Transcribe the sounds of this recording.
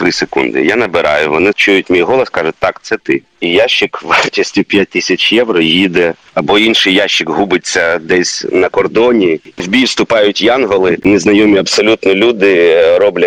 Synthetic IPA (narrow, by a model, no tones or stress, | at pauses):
t̪ɾɪsekṵnd̪ɪ̰janɐbɪɾɑ̰jʊʋɔnɪt͡ʃujʊtʲmʲijɦɔlˠɐskɑʒʊt̪ɑkt̪sɛt̪ɪ | ijaʃːɪkʋɛrtʲisʲtʲʊpʲjat̚ʲt̪ɪsʲɐt͡ʃjɛʋɾɔjid̪ɛ | ɐbɔinʃɪjjaʃːɪkɦubɪt͡sʲːɐd̪ɛsʲnɐkɔrd̪ɔnʲiwbʲiwst̪ʊpɑjʊtʲjɑnɦɔlˠɪneznɐjɔmʲiɐbsɔlʲut̪nɔlʲud̪ɪɾɔblʲɐ